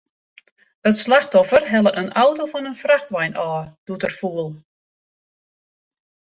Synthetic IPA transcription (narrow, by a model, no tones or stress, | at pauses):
ətslaxtɔfərɦɛlˠəʔənʔawtofɔnənfraxtʋɛjnʔɔːd̥utərfuəlˠ